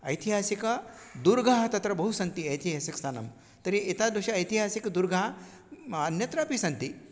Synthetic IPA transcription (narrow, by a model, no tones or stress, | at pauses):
ɐ̰jt̪ʰiɦaːsikɐd̪uɾɡaɦɐt̪ɐt̪ɾɐbɐɦusɐnt̪iɐjt̪iɦasikst̪anɐm | t̪ɐɾiʔit̪ad̪uɕaɐjt̪iɦasikd̪uɾɡaɦa | ɐnjɐt̪ɾapisɐnt̪i